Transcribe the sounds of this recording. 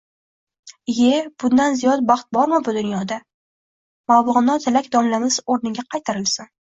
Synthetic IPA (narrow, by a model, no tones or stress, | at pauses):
jeb̥ʊnd̪anzijɒt̪̚bɑχt̪̚bɒɾmɪbʊd̪ʊnjɒd̪a | mawlɨʁnɒt̪ʰɪlakʲd̪ɒmlamɪz̥oɾnɪɡʲaqʰɑjt̪ʰaɾɪlsɪn